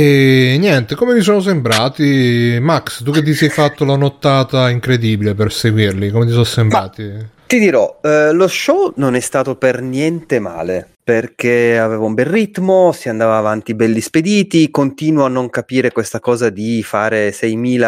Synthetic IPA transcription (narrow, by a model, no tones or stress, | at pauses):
ɛnjɛnt̪ekomevis̬ɔːnos̬embɾaːt̪imakst̪uk̟et̪̬ːisɛjfat̪ːolanot̪ːaːt̪aiŋkɾed̪iːbileperseɡwirlikomet̪̬isɔsːembɾaːt̪it̪id̪iɾɔloʃːɔnonɛst̪aːt̪opernjɛnt̪ema̰ːle | perk̟eaveːvaũmbɛrrit̪mosiand̪aːvaːvant̪ibɛlːisped̪iːt̪ikont̪iːnwaanːoŋkapiːɾekwest̪akɔːzad̪ifaːɾesɛjmiːla